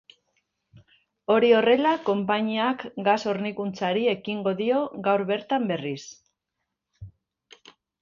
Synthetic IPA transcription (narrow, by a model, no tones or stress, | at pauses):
o̞ɾio̞re̞lako̞mpaɲiakɡaso̞ɾnikunt͡saɾie̞kiŋɡo̞ðio̞ɡawɾβe̞ɾt̪ambe̞ris